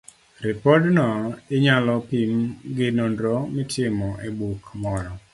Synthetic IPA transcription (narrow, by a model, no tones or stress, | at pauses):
ɾɪpɔdnɔɪɲalɔpimɡɪnondɾomɪtʰɪmɔʔebukmɔɾɔ